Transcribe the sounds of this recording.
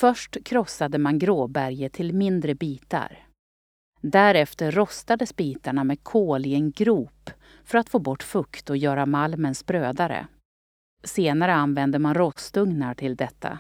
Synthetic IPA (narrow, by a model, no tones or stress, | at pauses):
fœʂʈkʰɾɔsad̪əmanɡɾoːbæɾjət̪ʰɪlmɪnd̪ɾəbiːt̪a̰ɾ | d̪æɾɛft̪əɾːɔst̪ad̪əsbiːt̪aɳamɛːd̪kʰoːlɪɛnɡɾuːp | fœɾat̪foːbɔʈːfɵkt̪ɔjœːɾamalmənspɾøːd̪aɾə̰ | seːnaɾəanvɛnd̪əmanɾɔst̪ɵŋnaʈʰɪld̪ɛt̪ʰːa̰